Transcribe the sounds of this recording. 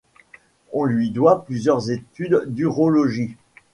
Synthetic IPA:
ɔ̃lɥid̪waplyzjœʁzet̪yd̪ːyʁolɔʒi

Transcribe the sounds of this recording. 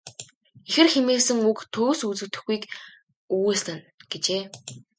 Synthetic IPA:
exɘ̆rxemeːsɘ̆ŋukt̪ʰoːsut͡sɘ̆t̪ɵ̆xɡuijk | uwuːsɮɘ̆n | ɡ̥et͡ɕeː

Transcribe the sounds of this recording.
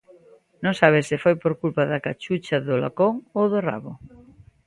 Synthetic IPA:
nõŋsaβ̞ɪsːɪfojpoɾkulpaðɐkat͡ʃut͡ʃɐðʊla̰koŋoðʊra̰βʊ

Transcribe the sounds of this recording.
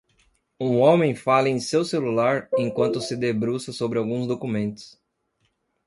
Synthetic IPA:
ũõmẽj̃falɐẽj̃sewselulaɾẽj̃kwɐ̃nt̪ʊsɪd̪ebɾusɐsobɾɪawɡũzd̪okumẽnt̪ʊ̥s

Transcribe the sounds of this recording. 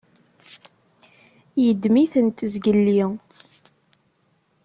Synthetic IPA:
jəd̪miθənt̪zɡəlːi

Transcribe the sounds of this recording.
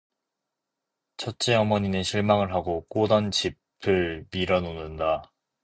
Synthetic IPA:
t͡ɕʰʌt̚t͡ɕ͈eʌmʌɲineɕʰiɭmaŋɯɭɦaɡok͈odʌnt͡ɕi | pʰɯɭmiɾʌnonɯnda

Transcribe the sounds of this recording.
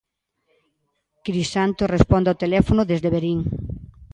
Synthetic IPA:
kɾisant̪ʊsrespɔnd̪awt̪elɛfonʊðezðeβeɾiŋ

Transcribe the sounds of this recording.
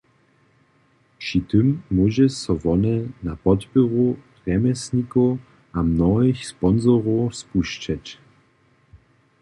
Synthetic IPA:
pʂitɨmːuʑɛsɔvɔnɛnapɔt̪pɨʁu | ʁɛmɛsɲikɔ | ʔamnɔɪxspɔnzɔʁɔspuɕt͡ʃat͡ɕ

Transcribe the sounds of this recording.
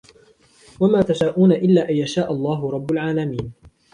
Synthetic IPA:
wamaːt̪aʃaːʔuːnaʔɪlːaːʔajaʃaːʔalˤːɑːɦʊɾˤɑbːʊlʕaːlamiːn

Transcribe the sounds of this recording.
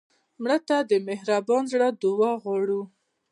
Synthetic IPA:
mɽət̪ad̪əmɪhɾabɑnzɽad̪ʊwɑɣwɑɽu

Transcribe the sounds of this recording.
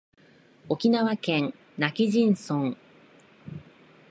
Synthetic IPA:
o̞kʲinaβakẽ̞ŋ | nakʲiʑĩɰ̃sõŋ

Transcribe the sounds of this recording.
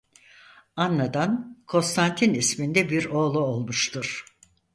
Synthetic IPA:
anlˠad̪ankʰo̞nst̪ʰant̪ʰinismind̪ɛbiɾo̞ːlˠuolˠmuʃt̪ʰuɾ̥

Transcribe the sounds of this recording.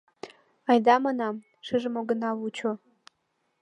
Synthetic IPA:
ajd̪amanam | ʂɨʐɨmoɡɨnawut͡ʃʰo

